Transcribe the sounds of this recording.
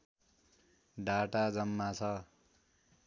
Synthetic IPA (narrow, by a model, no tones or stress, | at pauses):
ɖaʈad͡zʌmːat͡sʰʌ